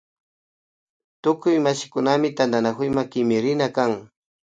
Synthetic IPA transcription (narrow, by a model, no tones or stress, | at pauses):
t̪ʊkʊjmaʃɪkʊnamɪt̪and̪anakʊjmakɪmɪɾɪnakaŋ